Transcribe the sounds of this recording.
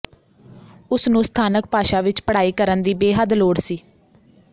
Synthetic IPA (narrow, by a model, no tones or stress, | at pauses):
ʊsnũːst̪ʰaːnək̚paːʃaːʋɪt͡ʃpəɽaːiːkəɾənd̪iːbeːɦəd̪loːɽsiː